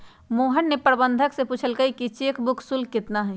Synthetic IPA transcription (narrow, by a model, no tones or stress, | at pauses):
moːɦənːepəɾbənd̪ʱəksepuːt͡ʃʰəlkəikit͡ʃeːkʰbʊkʰsulkɪt̪naɦɛ